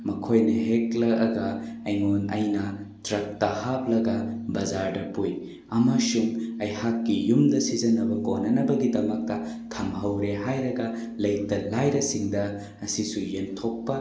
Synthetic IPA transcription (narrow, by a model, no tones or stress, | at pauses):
mɐkʰojnɐɦeklɐɐɡɐɐjŋonɐjnɐ | tɾɐk̚tɐhap̚lɐɡɐbɐzaɾdɐpuj | ɐmɐsuŋɐjhakːijumdɐsizɐnɐbɐkonːɐnɐbɐɡidɐmɐk̚tɐ | tʰɐmhɐwɾeɦajɾɐɡɐ | lɐjk̚tɐlajɾɐsiŋdɐ | ɐsisujentʰok̚pɐ